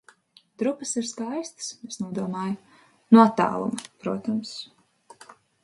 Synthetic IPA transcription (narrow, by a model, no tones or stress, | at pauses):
d̪ɾupəsiɾskajst̪smesnuɔd̪uɔmaːj | nut̪ːa̰ːlˠṵmɐpɾuɔt̪ams